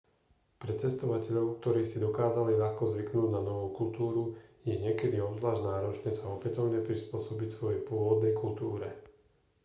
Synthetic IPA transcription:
pɾɛt͡sɛst̪ɔʋacɛʎɔʊk̚t̪ɔɾiːsid̪ɔkaːzaliʎaxkɔzʋiknuːɟnanɔʋɔʊkult̪uːɾujɛɲɪɛkɛd̪iɔbzʋlaːʒnaːɾɔt͡ʃɲɛsaɔpɛt̪ɔʊɲɛpɾispʊɔsɔbicsʋɔjɛjpʊɔʋɔd̪nɛjkult̪uːɾɛ

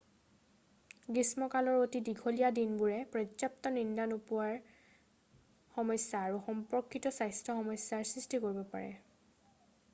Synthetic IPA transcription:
ɡismɔkalɔɹotidiɡʱolijadinbuɹɛpɹɔzap̚tɔnindanupuwaɹ | xɔmɔjsjaːɹuxɔmpɔkʰːitɔsajstʰɹɔxɔmɔsːaɹsɹistikoɹibɔpa̰ɹɛ̰

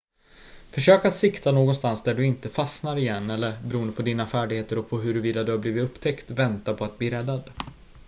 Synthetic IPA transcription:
fœʂøːkat̪sɪkt̪ʰanoːɡɔnst̪ansd̪æɖɵɪnt̪əfasnaɾɪjɛnːɛlːəɾbɛɾuːənd̪əpʰɔd̪iːnafæːɖɪɡheːt̪əɾɔpʰɔɦɵɾviːd̪ad̪ɵhaɾbliːvɪt̪ɵpːt̪ʰɛkt̪vɛnt̪apʰɔat̪̚bliːɾɛd̪ːad̪

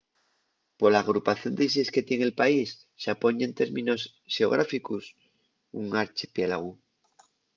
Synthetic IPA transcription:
po̞ɾlaːɣ̞ɾupaθjo̞nd̪eis̬eske̞t̪jeŋe̞lpaisːeapo̞ɲent̪e̞ɾmĩno̞s | xeo̞̰ɣ̞ɾafikus | uŋaɾt͡ʃipjelaɣu

